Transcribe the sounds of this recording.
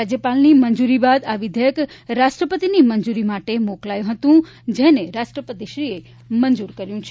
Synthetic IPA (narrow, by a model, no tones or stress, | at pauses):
ad͡ʒjəpalnimənd͡ʒuɾibad̪aʋɪd̪ʱjək | ɾaʃʈɾəpət̪inimənd͡ʒuɾimaʈemoklajũɦət̪ũ | d͡ʒeneɾaʃʈɾəpət̪iʃɾie | mənd͡ʒuɾkəɾjũt͡ʃʰe